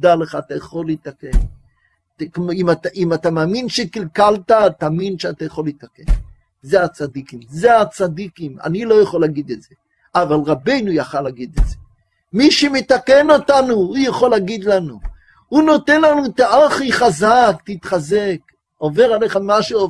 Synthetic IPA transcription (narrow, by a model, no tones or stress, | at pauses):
d̪aleχaːt̪ajaχolit̪aken | kmimataʔimat̪amaːminʃekilkaltat̪aminʃeat̪ajaχolit̪aken | zeat͡sad̪ikimzeat͡sad̪ikima̰nilojaχolaɡid̪etze | avalʁabe̞jnujaχalaɡid̪etz̥e | miʃemet̪akenot̪anuhujaχolaɡid̪lanu | hunot̪enlanut̪aʔaχiχazakt̪it̪χazek | oveʁalejχamaʃeo